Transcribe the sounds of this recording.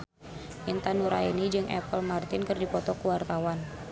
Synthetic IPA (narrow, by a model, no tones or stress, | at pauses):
ʔint̪anuɾa̰inid͡ʒɨŋʔɛ̰pəlmart̪ɪnkɨrdipɔt̪ɔkuwart̪awan